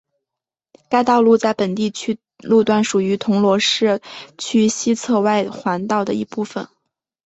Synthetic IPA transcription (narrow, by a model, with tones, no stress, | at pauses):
ka˥ɪt̪ɑ˥˧ʊlu˥˧t͡sa˥˩ɪpə˨˩nt̪i˥˩t͡ɕʰy˥ | lu˥˧t̪wa˥˩nʂu˨˩y˧˥t̪ʰʊ˧˥ŋlwɔ˧˥ʂɻ̩˥˩t͡ɕʰy˥ɕi˥t͡sʰɤ˥˧wa˥˩ɪxwa˧˥nt̪ɑ˥˩ʊd̪ə˩ḭ˧˥pu˥˩fə˨˩n